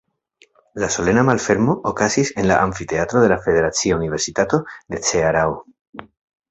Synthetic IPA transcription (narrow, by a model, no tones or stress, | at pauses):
laso̞le̞namalfe̞ɾmo̞ʔokasise̞nla̰ʔaɱfit̪e̞at̪ɾo̞ðe̞lafe̞ðe̞ɾat͡siounive̞ɾsitato̞d̪e̞t͡se̞aɾao